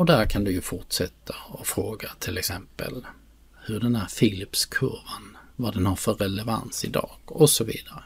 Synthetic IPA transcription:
ɔd̪æɾkʰand̪ɵjɵfʊʈʂɛt̪ʰːaɔfɾoːɡat̪ʰɪlɛksɛmpə̰l | hɵɖɛnhæːɾfilɪpskʰɵɾvənvad̪ɛnhaɾfœɾɛlɛva̰nt̪sɪd̪ɑ̰ːɡ̥ɔsɔvḭːd̪aɾə

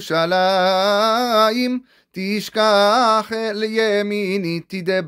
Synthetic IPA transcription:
ʃala | im | t̪iʃkaχɛljɛminit̪id̪ɛb

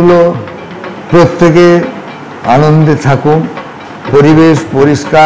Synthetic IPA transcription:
lo | pɾot̪ʰːeke | anond̪et̪ʰakum | poɾibeʃpoɾiʃka

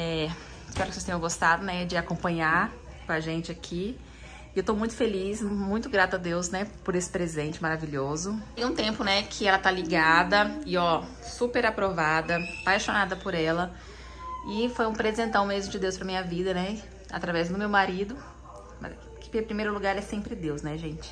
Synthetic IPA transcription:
ɛ | ɪspɛɾʊkɪsest̪ẽɲ̃jɐ̃ɡost̪ad̪ʊnɛd͡ʒɪakõmpɐ̃ɲaɾ | kõaʒẽnt͡ʃɪakʰi | ewt̪owmũj̃t̪ʊ̥felismũj̃t̪ʊɡɾat̪ʊad̪ewsnɛpʊɾesɪ̥pɾezẽnt͡ʃɪmaɾaviʎozʊũt̪ẽmpʊnɛkʰɪɛlɐt̪aliɡad̪ɐɪɔ | supeɾapɾovad̪ɐpajʃonad̪ɐpʊɾɛlɐ | ɪfojũpɾezẽnt̪ɐ̃w̃mezmʊd͡ʒɪd̪ewspɾɐmĩɲɐvid̪ɐnɛ | a̰t̪ɾavɛzd̪ʊmewmaɾid̪ʊ | ma̰z | kɪ̥ppɾimejɾʊluɡaɾɛsẽmpɾɪd̪ewsnɛʒẽt͡ʃɪ̥

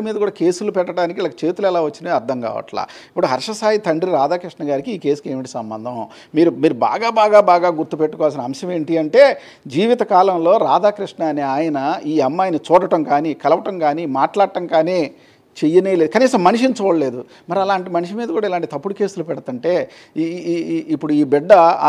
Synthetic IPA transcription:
miːd̪ɐkuːɽaːke̞ːsulupɛʈːɐʈaːnik̬ilɐkɐt͡ʃe̞ːt̪ulɛlaːʋɐt͡ʃːinɐɾd̪ʱɐŋka̰ːʋɐ̰ʈla̰ːipːuɽuɦɐɾʂɐsaːjit̪ʰɐɳɖɾiɾaːd̪aːkɾiʂɳɐɡaːɾikiːke̞ːsu̥ke̞ːmʋiʈ̬isɐmbɐ̰nd̪ʱɐ̃w | miːɾumiːɾuba̰ːɡaːbaːɡaːbaːɡaːɡuɾt̪upeʈːukɔːʋals̬inɐɐmʃɐme̞ːɳʈiɐɳʈe̞ː | d͡ʒiːʋit̪ɐkaːlɐmlo̞ːɾaːd̪aːkɾiʂɳaːniaːjɐnɐiːɐmːaːjnɐt͡ʃɔːɽɐʈɐmkaːnikɐlɐʋɐʈɐmkaːnimaːʈlaːɽɐʈɐŋkaːneː | t͡ʃejːɐneːle̞ːd̪ukɐniːsɐmːɐniʃint͡ʃɔːɽɐle̞ːd̪u | mɐɾɐlaːɳʈimɐniʂimiːd̪ɐkuːɽailaːɳʈit̪ɐpːuɽuke̞ːsulupɛɽɐt̪uɳʈe̞ː | ipːuɽuiːbiɖːɐ

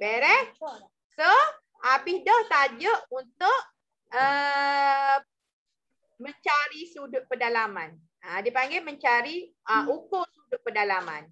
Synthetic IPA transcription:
beɾɛh | so | abɪhdaht̪ad͡ʒəʔunt̪ʊʔ | ə | məɲt͡ʃaɾisudʊt̪̚pədalaman | adipaŋɡeməɲt͡ʃaɾiʔəukosudʊt̪̚pədalama̰n

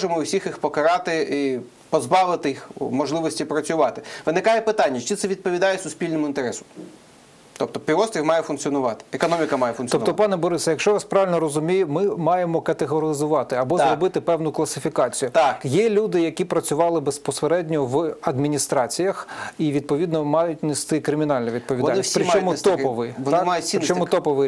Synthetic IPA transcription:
ʒemɔʊsʲixixpɔkɐɾɑt̪ɪi | pɔzbɑʋɪt̪ɪixmɔʒlˠɪʋɔsʲtʲipɾɐt͡sʲʊʋɑt̪ɪʋɪnɪkɑjɛpɪt̪ɑnʲːɐt͡ʃit̪ɛʋʲid̪̚pɔʋʲid̪ɑjesʊsʲpʲilʲnemʊint̪eɾɛsʊ̥ | t̪ɔp̚t̪ɔpʲiʋɔst̪ɾʲimɑjɛfʊnk̪t͡sʲiɔnʊʋɑt̪ɪ̥ekɔnɔmʲikɐmɑjɛfʊnʲɔp̪t̪ɔpɑnɛbɔɾɪsɐjɐkʃt͡ʃɔʋɑspɾɑʋɪlʲnɔɾɔzʊmʲijʊmɪmɑjemɔkɐt̪eɦɔɾɪzʊʋɑt̪ɪɐbɔzɾɔbɪt̪ɪpɛwnʊklˠɐsɪfʲikɑt͡sʲijʊt̪akjɛlʲud̪ɪjɐkʲipɾɐt͡sʲʊʋɑlˠɪbespɔseɾɛdʲnʲɔʋɐd̪mʲinʲist̪ɾɑt͡sʲijɐxiʋʲid̪̚pɔʋʲid̪nɔmɑjʊtʲnest̪ɪkɾɪmʲinɑlʲnɐʋʲid̪̚pɔʋʲid̪anpɾɪɔmʊt̪ɔpɔʋɪjʋɔnmajʊsʲiɾɪt͡ʃɔmʊt̪ɔpɔʋɪ

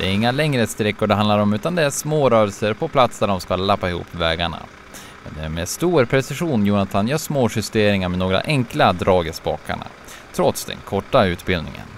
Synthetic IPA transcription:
d̪ɛæɾɪŋːalɛŋɾəst̪ɾɛkːʊɖɛɦand̪laɾɔmʉ̟ːt̪and̪ɛæʂmoːɾœːɾɛlsəɾpʰɔpʰlat̪sd̪æɖɔmskalapːaɪhṵːpːvɛːɡaɳa̰ | mɛ̰nd̪ɛæmeːst̪uːɾpʰɾɛsɪɧuːnjuːnat̪ʰanjœːʂmoːɧʏst̪eːɾɪŋaɾmɛnoːɡɾa̰ʔɛŋklad̪ɾɑːɡəsbɑ̰ːka̰ɳa̰ | t̪ʰɾɔt̪sd̪ɛ̰nkʰɔʈːaʉ̟ːt̪bɪld̪ɪ̰ŋə̰n

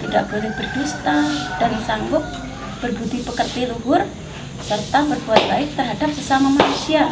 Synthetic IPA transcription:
t̪idaʔ̚b̥olɛhb̥ərdust̪ad̥ansaŋɡʊp̚ | b̥ərbud̪ibəkər̚piluɦʊr | sərt̪abərbuat̪̚b̥aɪk̚t̪ərɦadap̚səsamamanusia

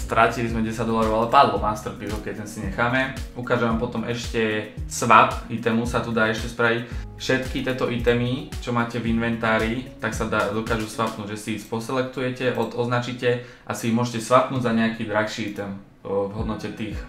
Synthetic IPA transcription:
st̪ɾacilizmɛɟɛsaɟd̪ɔlaɾɔʊalɛpad̪lɔmast̪r̩piɦɔkɛc̚t̪ɛnsiɲɛxaːmɛukaːʒɛʋampɔt̪ɔmʔɛʃcɛsʋapit̪ɛmusat̪ud̪aːɛʃcɛspɾaʋicfʃɛt̪kit̪ɪɛt̪ɔʔit̪ɛmit͡ʃɔmaːcɛvinʋɛnt̪aːɾit̪aksad̪ad̪ɔkaːʒusʋapnuːɟʒɛsiispɔsɛlɛkt̪ujɛcɛʔɔd̪ɔznat͡ʃicɛ | ʔasimʊɔʒɛcɛsʋapnuːɟzaɲɛakid̪ɾaxʃiit̪ɛm | vɦɔd̪nɔcɛt̪iːx

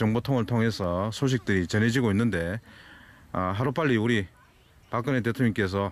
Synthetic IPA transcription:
t͡ɕʌŋbotʰoŋɯɭtʰoŋɦe̞sʰʌsʰoɕ̬ʰik̚t͈ɯɾit͡ɕʌne̞d͡ʑiɡoinːɯnde̞ | ɦaɾup͈aɭʎːiuɾi | pak͈ɯne̞t̬etʰoŋɲiŋk͈es̬ʰʌ

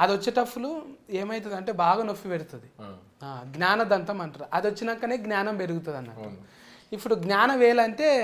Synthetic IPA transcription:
ɐd̪iot͡ʃːiʈɐpːulueːmɐjt̪̬ɐd̪ɐɳʈe̞ːbaːɡaːnofːiʋeɽut̪und̪i | aːɡnʲaːnɐd̪ɐnt̪ɐmɐɳʈɐɾʔɐd̪iʋot͡ʃːinɐkːɐneːɡnaːnɐmpe̞ɾuɡut̪und̪ɐnːɐʈːu | ipːuɽuɡnaːnɐʋɛːlɐɳʈe̞ː

